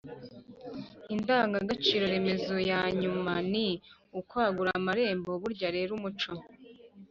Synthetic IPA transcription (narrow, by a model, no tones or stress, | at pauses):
indaːŋɡaɡat͡ʃiːɾo̞ɾe̞me̞zo̞jaːɲumaniukwaːɡuɾamaɾe̞ːmboβuɾɟaɾe̞ːɾumut͡ʃo